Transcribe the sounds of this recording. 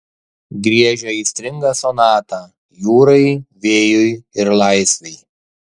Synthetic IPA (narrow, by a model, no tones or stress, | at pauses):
ɡɾʲiɛʒʲɛiːsʲt̪ʲɾʲɪŋɡɐːsɔnɑːt̪ɑː | juːɾɐɪʋʲeːjʊjɪɾlˠɑɪsʲʋʲɛɪ